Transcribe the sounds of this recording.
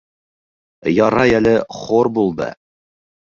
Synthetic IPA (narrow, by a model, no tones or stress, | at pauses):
jɑɾɑjælɘχoɾbulˠd̪ɤ̰